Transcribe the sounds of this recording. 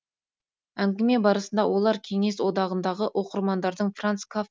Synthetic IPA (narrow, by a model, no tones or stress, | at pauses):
æŋɡʲɪme̞bɑɾəsənd̪ɑwʔo̞lˠɑɾkʲʰe̞ŋe̞swo̞d̪ɑʁənd̪ɑʁəʔo̞qəɾmɑnd̪ɑɾd̪əɴfrant̪skʰa